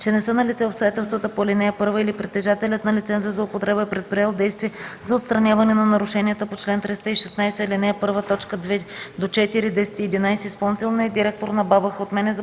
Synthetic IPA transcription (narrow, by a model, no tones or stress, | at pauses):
t͡ʃɛnɛsɤnɐlit̪sɛopst̪ojat̪ɛlˠst̪vət̪əpoɛlʲinɛɛpɤɾvəilipɾit̪ːɛʒat̪ɛlʲət̪nɐlit̪sɛnzɐzlˠoopot̪ɾɛbəɛpɾɛt̪̚pɾiɛlˠd̪ɛjst̪viɛzɐot̪st̪ɾɐnʲjavɐnɛnɐnɐɾʊʃɛniət̪əpot͡ʃlɛnt̪ɾist̪əiʃɛsnajsɛɛlinɛɛpɤɾvət̪ɔt͡ʃkəd̪vɛd̪ot͡ʃɛt̪iɾid̪ɛsɛ̥t̪iɛd̪inajsɛispɐlˠnit̪ɛlˠnɛd̪iɾɛk̚t̪oɾnɐbabəxot̪mɛnɛz